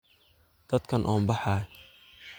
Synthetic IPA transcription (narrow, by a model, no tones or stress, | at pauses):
d̪̥ɐd̪kʰɐnʔɔːmbɑħɑː